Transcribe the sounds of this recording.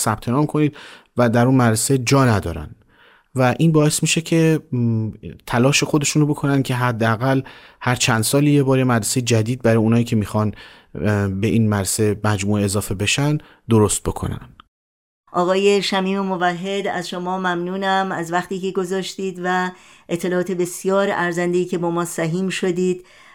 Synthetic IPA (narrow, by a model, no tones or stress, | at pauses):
sæb̥̚t̪ʰe̞nɒːmkʰo̞niːd̪̚væd̪æɾunmæɾɾese̞d͡ʒɒːnæd̪ɒ̰ːɾæ̰n | væʔiːnbɒːe̞smiːʃecʰe̞ | t̪ʰælɒːʃe̞xo̞d̪e̞ʃuːnobo̞kʰo̞nænd̪̚cʰe̞ɦæd̪ːeæɣælhæɾt͡ʃʰænd̪sɒːliːjebɒːɾjemæɾɾesejed͡ʒæd̪iːd̪̚bæɾɒːjeuːnhɒːiːcʰe̞miːxɒn | be̞ʔiːnmædɾsemæd͡ʒmuːeezɒːfe̞be̞ʃænd̪ | d̪oɾost̪̚bo̞kʰo̞̰næ̰nd̥ | ʔɒːɣɒːje̞ʃæmiːmemovæɦːe̞d̪æ̰zʃomɒːmæmnuːnæmæzvæxt̪iːke̞ɡo̞zɒːʃt̪iːd̪væʔet̪ʰːe̞lɒːɒːt̪ʰe̞be̞sjɒːɾæɾzænd̪eiːcʰe̞bɒːmɒːsæɦiːmʃo̞d̪iːd̪̥